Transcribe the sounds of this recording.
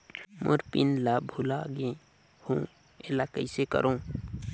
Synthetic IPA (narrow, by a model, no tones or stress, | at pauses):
mo̰ɾpinlabʱulaɡẽ | hũ | elakəɪsekə̰ɾõ